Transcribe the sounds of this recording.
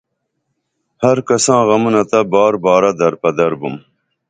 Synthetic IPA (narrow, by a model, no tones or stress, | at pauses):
hɐɾkɐsɑ̃ːɣɐmunɐt̪ɐbɑːɾbɑːɾɐd̪ɐɾpɐd̪ɐɾbum